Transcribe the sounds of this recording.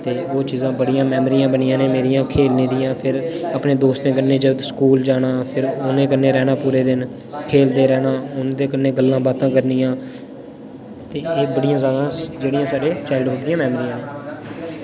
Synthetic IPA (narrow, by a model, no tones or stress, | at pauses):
t̪eːoːt͡ʃiːzãːbəɽijãːmɛːmɾijãːbənijãːneːmeːɾijãːkʰeːlneːd̪ijãːpʰɪɾəpneːd̪oːst̪ẽːk̬əɾneːd͡ʒəskuːld͡ʒaːɽaːpʰɪɾʊnẽːkənːeːɾɛːnaːpuːɾeːd̪ɪn | kʰeːld̪eːɾɛːnaːʊnd̪eːkənːeːɡəlːãːbaːt̪ãːkəɾniːjãː | t̪eːeːbəɽijãːzjaːd̪ãːd͡ʒeːɽijãːsaːɖeːt͡ʃaːɪlɖʊʈd̪ijãːmɛːmɾijãːneː